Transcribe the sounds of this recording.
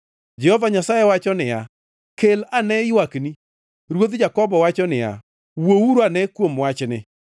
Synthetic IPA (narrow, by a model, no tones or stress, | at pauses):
d͡ʒɛhɔvaɲasajɛwat͡ʃɔnɪja | kelanɛɪwakni | ɾwod̪d͡ʒakɔbɔwat͡ʃɔnɪja̰ | wowuɾanɛkwomwat͡ʃnɪ